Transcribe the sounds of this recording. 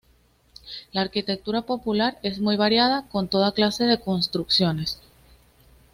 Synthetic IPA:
laːɾkit̪e̞k̚t̪uɾapo̞pulaɾe̞zmujβaɾjað̞ako̞nt̪o̞ðaklase̞ðe̞ko̞nst̪ɾuksjo̞ne̞s

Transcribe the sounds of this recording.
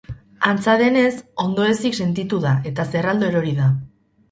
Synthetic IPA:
ant͡saðe̞ne̞so̞nd̪o̞e̞sikse̞nt̪it̪uðaʔe̞t̪aserald̪oeɾo̞ɾiða

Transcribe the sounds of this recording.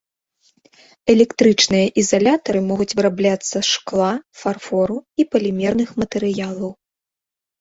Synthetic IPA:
ɛlʲɛkt̪ɾɨt͡ʂnɨjɐʔizalʲat̪ɐɾɨmɔɣut͡sʲvɨɾablʲat̪sːɐʂklˠafarfɔɾuipɐlʲimʲɛrnɨxmɐt̪ɛɾɨjalˠɐw

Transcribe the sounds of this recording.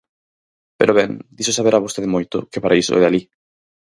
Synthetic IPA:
pḛɾoβɛŋd̪isosaβeɾaβost̪eðɪmojt̪ʊ̰kɪpaɾʔaiso̰ɛ̰ðali

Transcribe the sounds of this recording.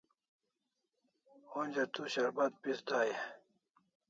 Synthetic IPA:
onʲd͡ʑat̪uɕɐɾbad̪̚pisd̪ʱaːj

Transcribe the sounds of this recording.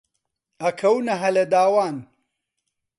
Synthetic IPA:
ɐkʰɐwnɐɦɐlɐd̪aːwaːn

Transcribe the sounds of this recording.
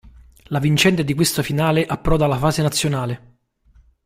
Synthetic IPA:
lavint͡ʃɛnt̪ed̪ikwest̪afinaːleʔapːɾɔdalafaːzenat̪sːjonaːle

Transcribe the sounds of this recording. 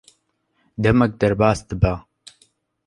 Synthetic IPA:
d̪ɐmɛk̚d̪ɐɾbaːsd̪ɨba

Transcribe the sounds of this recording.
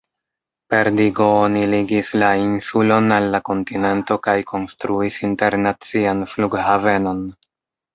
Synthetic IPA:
pe̞ɾdiɡo̞oniliɡislainsulo̞nalːako̞ntine̞nto̞kajkʰo̞nstɾuisinte̞ɾnat͡sianfluɡhave̞no̞n

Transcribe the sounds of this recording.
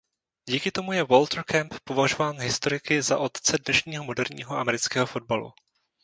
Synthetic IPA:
ɟiːkɪt̪o̞mujɛvolt̪ɾkɛmppovaʒovaːnɦɪst̪o̞ɾɪkɪza̰ʔo̞t̪t͡sɛdnɛʃɲiːɦo̞mo̞dɛɾɲḭːɦo̞ʔa̰mɛɾɪt͡skɛːɦo̞fo̞d̚balṵ

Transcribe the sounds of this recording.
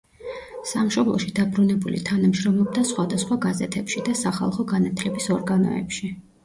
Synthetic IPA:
samʃɔblˠɔ̰ʃid̪abɾunɛbulḭt̪ʰanamʃɾɔmɔb̚d̪asχwad̪asχwaɡazɛt̪ʰɛpʃid̪asaχa̰lˠχɔɡanat̪ʰlɛbisɔɾɡanɔ̰ɛ̰pʃi

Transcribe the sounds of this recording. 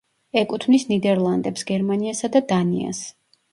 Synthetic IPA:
ɛkʼut̪ʰmnisnid̪ɛɾlˠand̪ɛpsɡɛɾmaniasad̪ad̪anḭa̰s

